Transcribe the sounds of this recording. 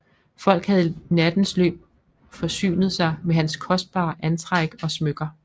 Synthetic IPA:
fɒ̽l̰ɡ̥hæðˠnæd̥n̩slø̰ːb̥̚ | fɒ̽sy̰ːnð̞̩ˠsɑ̈ɪmeɦænskʰɒ̽sd̥̚b̥ɑ̰̈ːʔænt͡sʰʁaɡ̥ɒ̽smøɡ̥ɐ

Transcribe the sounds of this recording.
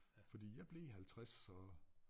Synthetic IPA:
fɒd̥ḭːjɑ̈ɪb̥le̝ɦælt͡sʰʁasɒ

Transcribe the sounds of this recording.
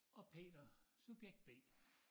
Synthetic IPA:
ɒ̽pʰe̝̰ːd̥ɐsub̥jeɡ̥̚d̥̚b̥e̝̰ː

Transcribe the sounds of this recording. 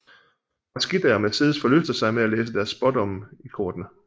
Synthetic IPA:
ɑsɡ̥id̥æɐmeseːðˠsfɒ̽løsd̥ɐsɑ̈ɪmeæleːs̬əd̥æɐsb̥ɒ̽d̥ɒ̽mikʰɔːd̥nə

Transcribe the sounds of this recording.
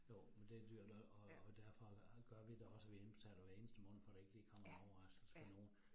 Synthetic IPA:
jo̰mend̥e̝d̥yɐ̰d̥ɒ̽d̥æɐ̰fɒ̽ɡ̥ɶɐ̰ʋid̥eɒ̽səʋien̥sʰæɾ̥ɐʋæɐe̝ːnəsd̥əmɔ̽ːn̩ˠfɒɾ̥ɑ̈e̝ɡ̥li̥ːkʰɒ̽m̰ɐɒʊɐʁɑ̈sɡ̥l̩sfɒno̝ːn̩

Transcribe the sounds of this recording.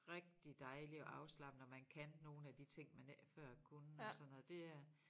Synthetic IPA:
ʁɛɡ̥̚d̥id̥ɑ̈ɪliɒ̽ʔɑ̈ʊslɑ̈b̥n̩ɒmænkʰænːo̝ːn̩æd̥it͡sʰe̝ŋ̰mænæfɶɐ̰kʰunəɒsɒ̽nːɔð̩ˠd̥e̝æɐ

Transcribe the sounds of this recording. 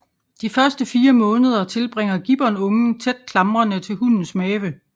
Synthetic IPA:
d̥ifɶɐsd̥əfiːɐmɔ̽ːnəð̞ˠɐt͡sʰe̝lb̥ʁeŋ̰ɐɡ̥ib̥ɒnɔ̽ŋ̩t͡sʰed̥̚kʰlɑ̈mʁɐnət͡sʰe̝lɦun̰n̩smɛːʋə

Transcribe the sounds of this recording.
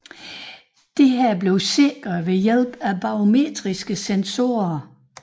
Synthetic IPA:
d̥e̝ɦæɐ̰b̥le̝ʊse̝ɡ̥ʁɐʋe̝jel̰b̥æb̥ɑ̈o̝me̝̰ːd̥ʁisɡ̥əsenso̝ːɐ

